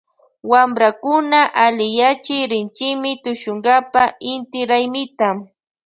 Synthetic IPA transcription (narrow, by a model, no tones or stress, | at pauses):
wamɾakʊnaʔalɪjat͡ʃɪjɾɪnt͡ʃɪmɪt̪ʊʃʊŋɡapaɪnt̪ɪɾajmɪt̪am